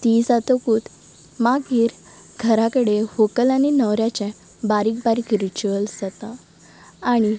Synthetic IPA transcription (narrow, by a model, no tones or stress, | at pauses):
t̪iːsat̪okuːt̪ | maɡiːɾ | ɡʱəɾakəɽehokəlaninəʋɾjat͡ɕɛ̃ | baɾiːk̚baɾikɾit͡ɕuəlsət̪a | aɽ̃i